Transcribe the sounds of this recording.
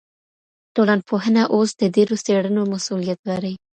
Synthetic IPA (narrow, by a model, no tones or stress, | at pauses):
t̪olɑnpʰoɦənaʔosd̪̥əd̪eɾoseɽənomasulijat̪̚laɾəj